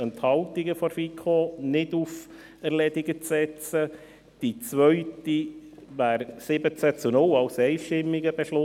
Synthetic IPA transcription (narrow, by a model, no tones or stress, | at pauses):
ənt̪hɑltiɡəfɔɾfikʰonɪduf | æɾlɛdɪɡət͡sɛt͡sə | d̥it͡sʋœɥtiʋæːɾsɪbət͡sæt͡sunʊlɑwsɛɪʃtɪmːiɡəbɛʃlʊ